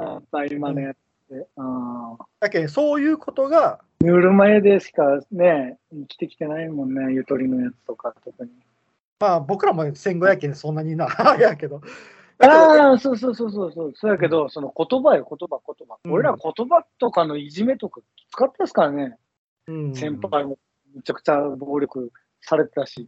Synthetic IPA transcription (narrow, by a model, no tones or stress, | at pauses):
abaimanojat͡sɨ̥d̪̥eɯ̃ːjakẽso̞ːjɯ̟ːkʰo̞t̪o̞ɡa | ɲɯɾɯ̟maed̪e̞ɕi̥kane̞ | ikʲi̥t̪e̞kʲi̥t̪e̞naimõ̞nːe̞jɯ̟t̪o̞ɾʲino̞jat͡sɨ̥t̪o̞kat̪o̞kɯ̟ɲ̟i | maːbo̞kɯ̟ɾamosẽ̞ŋɡo̞jakẽnsõnːaɲ̟inajake̞d̪o̞ | aːso̞ːso̞ːso̞ːs̬o̞ːsoːsoːjake̞d̪o̞so̞no̞ko̞t̪o̞bajoko̞t̪o̞bako̞t̪o̞baoɾe̞ɾako̞t̪o̞bat̪o̞kano̞iʑime̞t̪o̞kḁ | t͡sɨ̥kat̪ːesɨ̥kaɾane̞ | ɯ̃sẽ̞mpaimo | met͡ɕakɯ̟̥t͡ɕabo̞ːɾʲo̞kɯ̟ | saɾe̞t̪et̪aɕi